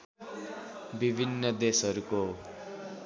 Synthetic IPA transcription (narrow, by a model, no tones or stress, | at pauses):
bibʱinːʌd̪esʌɾuko